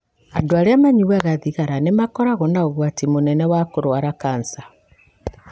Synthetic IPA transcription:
andoaɾeamaɲiwɛɣaðiɣaɾanemakɔɾaɣonaoɣwatimonɛnɛwakoɾwaɾakaːnsa

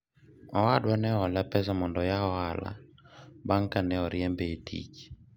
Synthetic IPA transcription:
ɔwadwanɛɔlapɛzamɔndɔjaɔala̰ | baŋkanɛɔɾiɛmbeetʰḭki̥

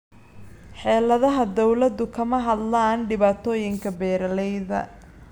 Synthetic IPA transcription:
ħɛːlɐðɐɦɐd̪ɔwlɐd̪ʊkʰɐmɐɦɐd̪laːnɖɪβaːt̪ʰɔːjɪŋkʰɐbɛːɾɐlɛjðɐ̰

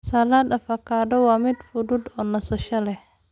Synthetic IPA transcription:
sɐlaːd̪ɐfɐkʰaːdɔwɑːmɪd̪fʊdʊd̪ɔːnɐsɐʃɐlɛh

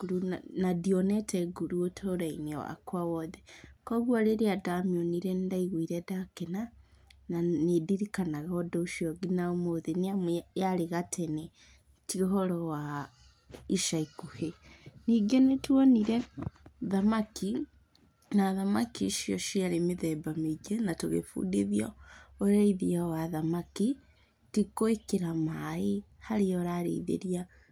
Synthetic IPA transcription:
ɡuɾunadiɔnɛtʰɛɡuɾuotʰoɾainɛwa̰kwawɔðɛkɔɣwaɾeɾeadamioniɾɛndaiɣwiɾɛdakena | nanediɾikanaɣaɔdɔuʃɔɡinaomoðeniamjaɾeɣatʰɛnɛ | tioɦɔɾɔwa | iʃaikuheniɡenetwɔniɾɛðamakʰi | naðamakiʃiɔʃiaɾemeðɛbamiɡenatoɣḛfṵːdiðijɔoɾaiðiawaðamaki | tikoekeɾamaehaɾeɔɾaɾḛiðḛɾia

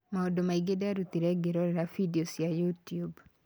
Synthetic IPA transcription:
maodomaiɡedaɾut̪iɾɛɡeɾɔɾɛɾafidiosjajutjub

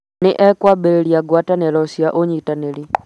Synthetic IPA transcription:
nɪʔɛkwabɛɾeliaɡwatanɛlɔsiaʔoɲitanɛli

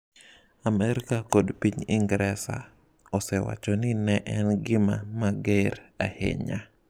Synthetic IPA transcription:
amɛɾɪkakodpiɲɪ̰ŋɡɾɛsa̰ | ɔsɛwa̰t͡ʃɔnɪnɛʔɛnɡɪma̰maɡeɾa̰hḛɲa

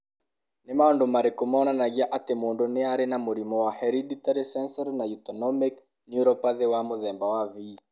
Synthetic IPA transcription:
nɪmaɔndomaɾekomaɔnanaɣiaʔatemoːndoneaɾenamoɾimɔwahɛɾiditaɾisɛnsɔɾnajutɔnɔmik | njuɾɔpaðewamoðɛmbawavi

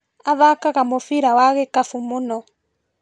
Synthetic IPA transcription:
aβakakamɔfiɾawakɛkafumunɔ

